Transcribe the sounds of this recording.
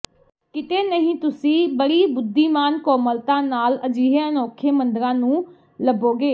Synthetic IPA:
kɪt̪eːnəɦĩːt̪ʊsĩːbəɽiːbʊd̪ːiːmaːnkɔːməlt̪ãːnaːləd͡ʒiːɦeːənɔːkʰeːmənd̪əɾãːnũː | ləboːɡeː

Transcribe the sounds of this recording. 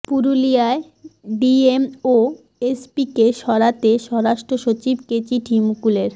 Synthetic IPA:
puɾulijae | ɖiemo | espikeʃɔɾat̪eʃɔɾaʃʈɾoʃot͡ɕibket͡ɕiʈʰimukuleɾ

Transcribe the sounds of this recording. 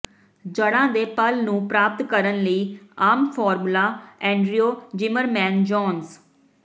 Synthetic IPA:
d͡ʒəɽãːd̪eːpəlnũːpɾaːp̚t̪kəɾənləiːaːmpʰɔːɾmlaːɛ̃ːɳɖɾioːd͡ʒɪməɾmɛ̃ːnd͡ʒɔːns

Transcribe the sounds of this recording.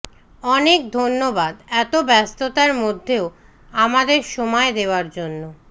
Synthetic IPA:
ɔnek̚d̪ʱonːobad̪ɛt̪obɛst̪ot̪aɾmod̪ʱːeo | amad̪eɾʃɔmɔed̪eoaɾd͡ʑonːo

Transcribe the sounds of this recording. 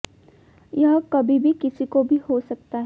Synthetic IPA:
jɐɦkɐbʱibʱikɪsikobʱihosɐk̚t̪aɦ

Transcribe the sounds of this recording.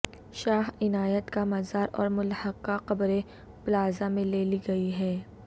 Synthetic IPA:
ʃaːɦɪnaːjət̪kamɐzaːɾɔ̰ːɾmʊlhəqːaqɐbɾe | bʊlaːzamẽleːliɡɐiɦɛː

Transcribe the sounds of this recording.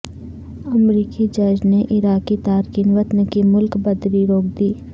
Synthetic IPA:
əmɾiːkid͡ʒɐd͡ʒneʔɪɾaːkit̪aːɾkinʋət̪nkimʊlkbəd̪ɾiɾoːkd̪iː

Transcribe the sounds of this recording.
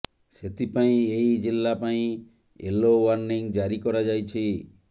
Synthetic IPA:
set̪ʰipaĩejd͡ʒilːapaĩ | ḛlowaɾniŋd͡ʒaɾikɔɾad͡ʒajt͡ʃʰi

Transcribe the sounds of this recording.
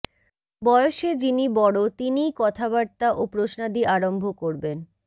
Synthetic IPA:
bɔeoʃed͡ʑinibɔɽot̪inikɔt̪ʰaβaɽt̪aʔopɾoʃnad̪iʔaɾombʱokoɾben

